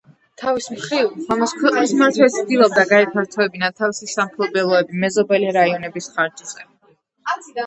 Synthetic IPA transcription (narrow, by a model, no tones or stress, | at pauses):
t̪ʰavismχɾivkʰwɛqʼnismaɾt̪ʰwɛt̪sʰd̪ilˠɔb̚d̪aɡaɛpʰaɾt̪ʰɔɛbinat̪ʰavisisamχʰlˠɔbɛlˠɔɛbimɛzɔbɛliɾaiɔnɛbisχaɾd͡ʒis